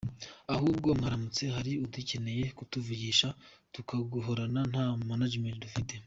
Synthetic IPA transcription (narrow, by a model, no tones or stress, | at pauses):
ahuːb̚ɡo̞mŋaɾamut͡se̞ɦaɾiutice̞ne̞je̞kutuviɡiːʃatukaɡuɦoɾanan̥haːmanad͡ʒmentdufite̞